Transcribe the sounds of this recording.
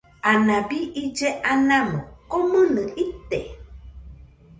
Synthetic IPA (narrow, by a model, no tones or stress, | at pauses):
anabiʔid͡ʒeʔanamokomənɨʔit̪ːe